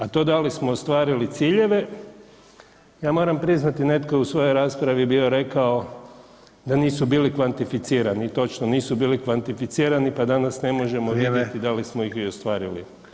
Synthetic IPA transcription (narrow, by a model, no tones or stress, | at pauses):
at̪o̞d̪alismoːst̪ʋaːɾilit̪siːʎe̞ʋe̞ | jaːmo̞ɾampɾiznat̪ine̞t̪kousʋo̞jo̞jɾaːspɾaʋibioɾe̞kao | d̪aniːsubiːlikʋant̪ifit̪siːɾanit̪o̞t͡ʃnoniːsubiːlikʋant̪ifit̪siːɾanipad̪anasne̞mo̞ʒe̞moʋjed̪jet̪id̪alismoixiost̪ʋaːɾilḭ